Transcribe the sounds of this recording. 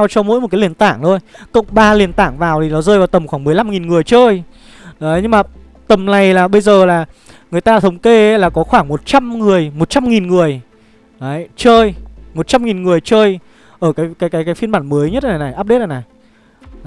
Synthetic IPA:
wt͡ɕɔ˧mo̰˧˥jo˨˩t̚kːaː˨˦li˨˩ənt̪a̰ː˧˩ŋt̪o˧jkə̰˧˩˨wŋ͡mɓaː˧li˨˩ənt̪a̰ː˧˩ŋvaː˨˩wt̪ʰi˨˩nɔ˨˦zəː˧jvaː˨˩wt̪ə˨˩mxwaː˧˩ŋmɨ˨˩əjla˧mŋi˨˩nŋɨ˨˩əjt͡ɕəː˧j | ɗə˨˦ɲɨ˧ŋmaː˨˩ | t̪ə˨˩mna˨˩jlaː˨˩ɓə˧jzəː˨˩laː˨˩ | ŋɨ˨˩əjt̪aː˧˨t̪ʰə˨˦wŋ͡mke˧˦laː˨˩kɔ˨˦xwaː˧˩ŋmo˨˩t̚t͡ɕa˧mŋɨ˨˩əjmo˨˩t̚t͡ɕa˧mŋi˨˩nŋɨ˨˩əj | ɗə˨˦t͡ɕəː˧jmo˨˩t̚t͡ɕa˧mŋi˨˩nŋɨ˨˩əjt͡ɕəː˧j | ʔəː˧˩kaː˨˦jkaː˨˦jkaː˨˦jkaː˨˦fi˧nmɓaː˧˩nməː˨˦jɲə˦˥t̚a˨˩na˨˩jʔaː˦˥p̚ɗe˦˥t̚ʔa˨˩na˨˩j

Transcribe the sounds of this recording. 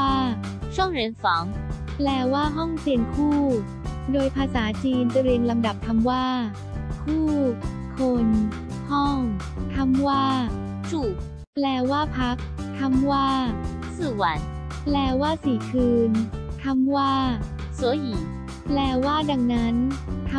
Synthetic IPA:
aː˥˩ | t͡ɕʰu˥˩əŋɾi˧˩˦ənsɔː˩˦ŋ | plɛː˨˩waː˥˩ɦɔ˥˩ŋsi˧˩nkʰuː˥˩ | doː˧jpʰaː˧saː˩˦t͡ɕiː˧nt̪ɾi˧ənla˧mda˨˩p̚t̪ʰa˧mwaː˥˩ | kʰuː˥˩ | kʰo˧n | hɔ˥˩ŋ | t̪ʰa˧mwaː˥˩ | t͡ɕu˨˩ | plɛː˨˧˩waː˥˩pʰa˦˥k̚ | t̪ʰa˧mwaː˥˩ | sɯ˥˩wa˨˦n | plɛː˨˩waː˥˩siː˨˩˦kʰɯː˧nt̪ʰa˧mwaː˥˩ | sɯ˨˩˦iː˨˩˦ | plɛː˨˩waː˥˩da˧˩ŋna˦˥nt̪ʰ

